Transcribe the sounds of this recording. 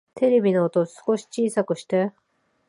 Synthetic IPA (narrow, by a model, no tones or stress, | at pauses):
t̪ʰe̞ɾe̞bʲinoːt̪osɨ̥ko̞ɕi̥t͡ɕiːsakɯ̟ɕi̥t̪e̞